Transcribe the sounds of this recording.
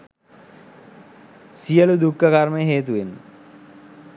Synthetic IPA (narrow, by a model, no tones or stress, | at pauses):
sijəlud̪ukːəkaɾməjəɦeːt̪̬uʋen